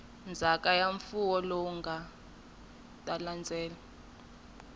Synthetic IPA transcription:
nd͡zʱakʼajaɱfuwɔlɔuŋɡʱa | tʼaland͡zʱɛːla

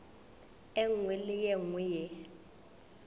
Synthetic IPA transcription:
ɛŋwilɪjɛŋwɪjɛ

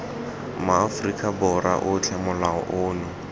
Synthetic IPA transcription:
maːfrikʼabɔɾa̰ʔʊt͡ɬʰɛmʊlaɔ̰ʔʊːnʊ

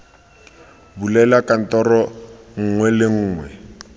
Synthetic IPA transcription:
bulɛlakʼan̩tɔrɔŋ̩ŋwɛlɪŋ̩ːŋwɛ

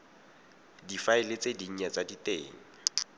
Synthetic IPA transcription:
difaɪlet͡sʼediɲ̩ɲat͡saditʼeːŋa

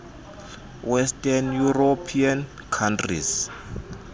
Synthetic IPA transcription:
wɛstʼanjurɔpʰian | kʰantrḭs

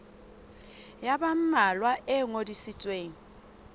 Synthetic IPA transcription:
jabam̩malwaʔɛŋodisit͡sʼweːŋi

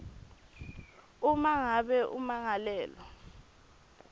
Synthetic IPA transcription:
umaŋaɓɛʔṵmaŋalɛːlɔ

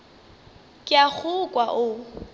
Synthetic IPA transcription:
kʼɪak͡xʰʊkʼwaʔʊ

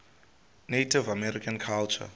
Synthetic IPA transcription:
netivamɛɾikãnkʰalt͡ʃa̰

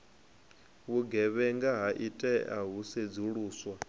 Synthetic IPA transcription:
βuɡɛβɛŋɡaɦaʔitʼɛʔa̰ɦused͡zuɺuːswa

